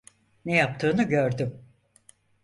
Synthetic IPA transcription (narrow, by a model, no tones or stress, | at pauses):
nejap̚t̪ʰɯːnɯɟøɾd̪ym